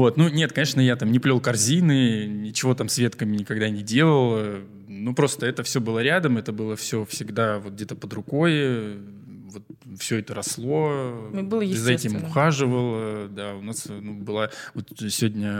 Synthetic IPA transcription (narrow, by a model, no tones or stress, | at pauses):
vo̞t̪nunʲe̞t̪kɐnʲeʂnəjat̪amnʲɪplʲo̞lˠkɐrzʲinɨnʲɪt͡ɕɪvo̞t̪amsvʲe̞t̪kəmʲɪnʲɪkɐɡ̚d̪anʲɪdʲe̞lˠəlˠə | nupɾo̞st̪əɛt̪əfsʲɵbɨlˠəɾʲad̪əmɛt̪əbɨlˠəfsʲɵfsʲɪɡd̪avo̞t̪ɡ̚dʲe̞t̪əpəd̪ɾʊko̞j | vo̞t̪̚ | fsʲɵɛt̪əɾɐslˠo̞bɨzɐɛtʲɪmʊxaʐɨvəlˠəd̪aʊnasnubɨlˠavot̪sʲɪvodʲnʲə